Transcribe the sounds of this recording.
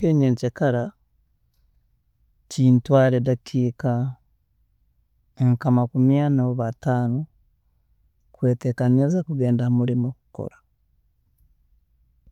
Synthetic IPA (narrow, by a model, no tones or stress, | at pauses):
eːɲeːɲcekaɾa | ciːntwaːɾedakʰiːka | eŋkamakumjanaoβataːno | kwe̞ːtekanezakuɡe̞ːndamuɾimoku̥ko̰ɾḁ